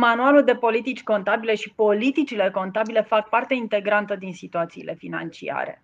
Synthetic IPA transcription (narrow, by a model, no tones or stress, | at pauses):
manualuld̪e̞po̞lit̪it͡ʃʲko̞nt̪abile̞ʃipo̞lit̪it͡ʃile̞ko̞nt̪abile̞fak̚part̪eint̪e̞ɡɾant̪əd̪insit̪uat̪siːlʔe̞fina̰nt͡ʃḭa̰ɾe̞̰